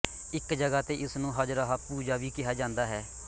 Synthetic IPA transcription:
ɪkd͡ʒəɡaːt̪eːʔɪsnũːɦəd͡ʒɾaːɦapuːd͡ʒaːʋiːkɪɦaːd͡ʒãːnd̪aːɦɛː

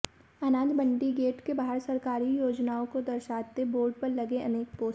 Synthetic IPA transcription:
ɐnãːnd̪bə̃ɳɖiɡeːʈkebaɦəɾsɐɾkaːɾijoːd͡ʒnaːõkod̪ɐɾʃaːt̪eboːɾɖ̚pɐɾlɐɡẽʔɐneːk̚poː

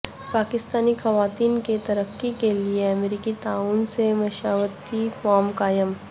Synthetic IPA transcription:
paːkɪst̪aːnixɐʋaːt̪iːnket̪ɐɾəkːikelieɐmeɾiːkit̪aːuːnsemɐʃaːʋət̪ifɔːmkaːjəm

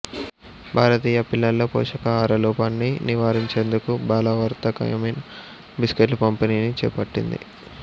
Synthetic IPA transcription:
bʱaːɾɐt̪iːjɐpilːɐlːo̞ːpo̰ːʂɐkɐaːɾɐluːpanːiniʋaːɾiɲt͡ʃe̞ːnd̪ukubaːlɐʋɐɾt̪ɐkɐ̰jɐmɐjnɐ | biskeʈlːupɐmpeniːnit͡ʃɛ̰ːpɐʈːḭnd̪ḭ

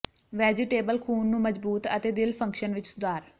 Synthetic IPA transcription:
ʋɛːd͡ʒɪʈeːbəlkʰuːnːũːməd͡ʒbuːt̪ə̰t̪eːd̪ɪlpʰə̃ŋkʃənʋɪt͡ʃsʊd̪aːɾ

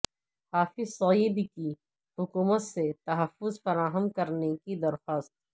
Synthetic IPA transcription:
haːfɪzsɐib̪ki | hʊkuːmət̪set̪ɐɦəfːʊzfɐɾaːɦəmkɐɾnekid̪ɐɾxaːst̪̚

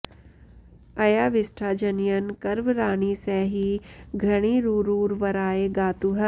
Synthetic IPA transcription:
ɐjaːʋɪsʈʰaːd͡ʒɐnijɐnkɐɾʋɾaːɳiːsɛːɦiɡʱɾɐɽ̃iːɾuːɾuːɾʋɐɾaːeːɡaːt̪uɦɐ

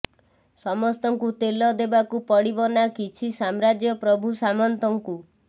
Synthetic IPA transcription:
sɔmɔst̪ɔŋkut̪elɔd̪ebakupɔɽibɔnakit͡ʃʰisamɾad͡ʒjɔpɾɔbʱusamɔnt̪ɔŋku

